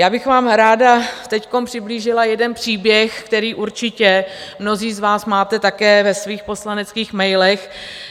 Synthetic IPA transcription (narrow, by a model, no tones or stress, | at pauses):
jaːbɪxvaːmɾaːdat̪ɛcko̞mpr̝̥ɪbliːʒɪlajɛdɛnpr̥iːbjɛxkt̪ɛɾiːʔuɾt͡ʃɪcɛmno̞ziːzvaːsmaːt̪ɛt̪akɛːvɛsviːxpo̞slanɛt͡skiːxmɛjlɛx